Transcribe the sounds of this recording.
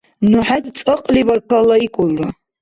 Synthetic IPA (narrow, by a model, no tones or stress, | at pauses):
nuħatʼt͡sʼɨqʼlibarkʰalaikʷʼʊlːa